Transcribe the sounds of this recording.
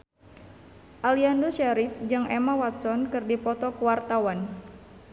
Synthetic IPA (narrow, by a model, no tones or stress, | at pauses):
ʔaliandoʃaɾifd͡ʒɨŋʔɛmawat̪̚sɔnkɨrdipɔt̪ɔkəwart̪awan